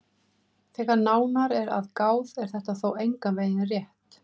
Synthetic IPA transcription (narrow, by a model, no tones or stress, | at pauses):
θɛːɣaɾnaːwnaɾɛɾa̰ðkaːwðɛɾ̥θɛht̪aθoːwejŋkaveːjðɪnrjɛht̪